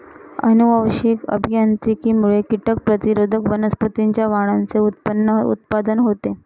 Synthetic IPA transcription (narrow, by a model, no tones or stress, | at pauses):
ə̰nuʋəwɕikə̰bʱjant̪ɾikiːmuɭekiʈək̚pɾət̪iɾod̪ʱəkʋənəspət̪iɲt͡ɕjaʋaɽ̃ant͡seut̪̚pənːəṵt̪̚pad̪ənɦot̪e